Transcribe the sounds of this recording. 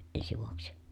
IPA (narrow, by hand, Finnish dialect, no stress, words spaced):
ensi ʋuoksi